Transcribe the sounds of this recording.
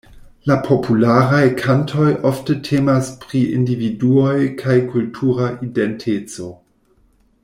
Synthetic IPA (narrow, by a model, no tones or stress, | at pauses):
lapʰo̞pʰulaɾajkʰantʰo̞jʔoftətʰeːmaspɾiʔḭndividuojkʰajkultʰuɾaʔidentʰet͡so̞